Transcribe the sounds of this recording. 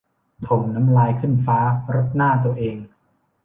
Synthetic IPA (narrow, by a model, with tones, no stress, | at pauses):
t̪ʰo˨˩ŋna˦˥mlaː˧jkʰɯ˥˩nfaː˦˥ɾo˦˥t̪̚naː˥˩t̪u˧ɐʔeː˧ŋ